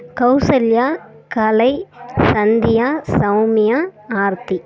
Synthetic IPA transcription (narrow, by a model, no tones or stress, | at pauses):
kɐʊsɐljaː | kɐlɐɪsɐnd̪ɪjaːsɐʊmɪjaːaːɾt̪i